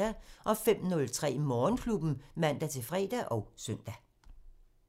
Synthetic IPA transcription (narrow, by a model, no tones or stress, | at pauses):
æʔɒ̽fem̰nɔ̽lt͡sʰʁɛ̰ːmɒːnkʰlub̥n̩mæn̰d̥æt͡sʰe̝fʁɛ̰ːd̥æʔɒ̽ʊsœn̰d̥æ